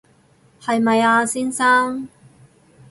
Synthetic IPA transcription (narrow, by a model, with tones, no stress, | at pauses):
hɐ˨jmɐ˨jaː˧siː˥nsaː˥ŋ